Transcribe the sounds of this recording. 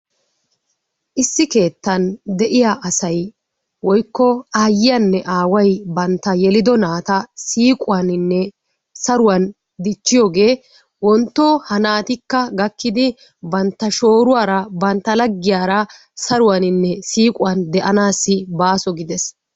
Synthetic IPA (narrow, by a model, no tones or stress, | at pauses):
ʔɪsːɪke̞ːt̪ːɐnd̪ɛʔɪjaːʔɐsɐj | wɔjkːɔaːjːɪjɐnːɛʔaːwɐjbɐnt̪ːɐjɛlɪd̪ɔnaːt̪ɐsiːkʼʊwɐnɪnːɛ | sɐɾʊwɐn | d̪ɪt͡ʃːɪjoːɡe̞ː | wɔnt̪ːoːhɐnaːt̪ɪkːɐɡɐkːɪd̪ɪ | bɐnt̪ːɐʃo̞ːɾʊwaːɾɐbɐnt̪ːɐlɐɡːɪjaːɾɐ | sɐɾʊwɐnɪnːɛsiːkʼʊwɐnd̪ɛʔɐnaːsːɪbaːsɔɡɪd̪ɛs